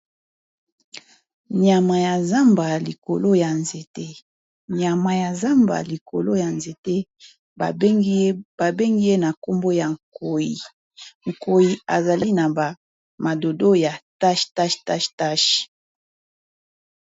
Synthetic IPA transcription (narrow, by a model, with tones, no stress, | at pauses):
ɲja˨ma˨ja˨za˦mba˨li˨ko˨lo˦ja˨nze˨te˦ | ɲa˨ma˨ja˨za˦mba̰˨li˨ko̰˨lo˦ja˨nze˨te˦˨˦ | ba˨be˦ŋɡi˦je˦na˨ko˦mbo˦ja˨ŋ˨ko˨ji˨ | ŋ̩˨ko˨ji˨a˨za˨li˦na˨ba˨ | ma˨do˨do˦ja˨ta˦ʃta˦ʃta˦ʃta˦ʃ